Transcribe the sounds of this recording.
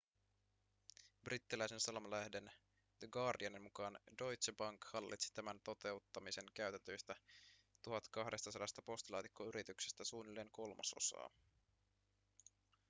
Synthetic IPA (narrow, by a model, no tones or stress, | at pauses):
brit̪ːilæjse̞nsɑlmɑlæhde̞n | deɡɑːrdiɑnenmukɑːndo̞jt̪sebɑŋkhɑlːʔḭt̪si̥t̪æmænt̪o̞t̪e̞ut̪ːɑmise̞ŋkæyt̪ænt̪øjst̪æt̪uɦɑt̪kɑɦde̞st̪ɑsɑdɑst̪ɑpo̞st̪lɑːt̪ikːoyɾit̪yksest̪æsuːnilːe̞ːŋko̞lmɑ̰so̞̰sɑ̰ː